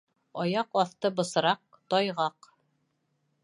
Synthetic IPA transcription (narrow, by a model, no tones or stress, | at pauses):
ɒjɑqɒθt̪ɤbɤ̆sɤ̆ɾɑq̚t̪ɒjʁɑq